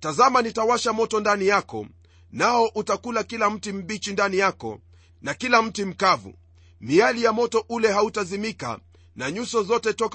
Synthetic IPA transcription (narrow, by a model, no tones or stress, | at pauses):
tazamanitawaʃamɔtɔndanijakɔ̰ | naɔʔutakulakilam̩tim̩ɓit͡ʃindanijakɔ̰ | nakilam̩tim̩kavṵ | mialijamɔtɔʔulɛɦautazimika̰ | naɲusɔzɔtɛtɔk